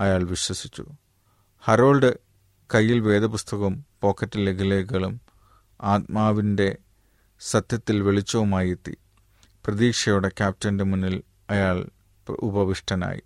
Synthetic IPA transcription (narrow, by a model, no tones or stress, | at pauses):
ɐjaːɭʋiɕwɐsit͡ɕːṵ | hɐɾo̞ːlɖɨ | kɐjːilʋe̞ːd̪ɐpust̪ʰɐɣɐmpo̞ːkʰːɐtːilːeɡileːkɣɐɭum | aːt̪̚maːʋinde̞ | sɐt̪jɐt̪ːilʋeɭit͡ɕːɐʋumaːjet̪ːḭ | prɐðiːkʂɐjuɽe̞kʲaːp̚tɐndemunːil | ɐjaːɭ | ṵbɐʋiʂʈʰɐna̰ːjḭ